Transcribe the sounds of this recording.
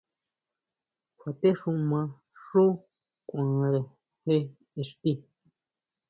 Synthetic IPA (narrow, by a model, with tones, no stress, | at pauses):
kʰʷa˨t̪e˦ʂũ˧mã˧ | ʂu˦ | kʷã˨ɾe˨ | he˦ | e˨ʂt̪i˦